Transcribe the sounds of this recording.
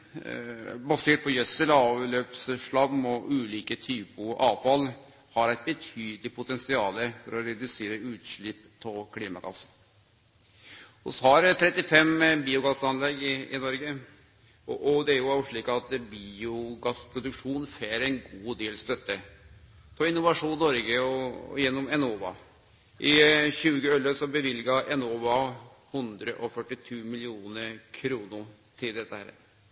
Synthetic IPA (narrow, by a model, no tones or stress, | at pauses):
bɑseːʈ̚pʰɔjœsəlɑːʋløːpsʂɭɑmːɔʔʉːliːkət̪ʰyːpʊʔɑːʋfɑl | hɑɾæɪt̪̚bət̪ʰyːd̪əlɪpʰʊt̪ɛnsɪɑːləfɔɾɔɾɛd̪ʉseːɾəʉːt̪ʂɭɪpːpʰɔkʰliːmɑɡɑ̰sːə | ʊ̰shɑɾt̪ʰɾɛt̪ːɪfɛmbiːʊɡɑsːɑnlɛɡɪnɔɾɡə | ɔʔɔd̪ɛæɾjʊɑʊʂɭiːkɑt̪biːʊɡɑsːpʰɾʊd̪ʉkʂuːnfeːɾɛnɡuːd̪eːlst̪œt̪ːə | t̪ʰɔɪnʊʋɑʂuːnːɔɾɡəɔ̰jɛnːɔmɛnoːʋɑ̰ | ʔɪçʉːɡəœlːəsɔbəʋɪlɡɑʔɛnoːʋɑ | hʉnd̪ɾəʔɔfœʈːɪt̪ʰuːmɪlɪuːnəɾkʰɾuːnʊ | t̪ʰɪld̪ɛt̪ːəhæ̰ːɾ̰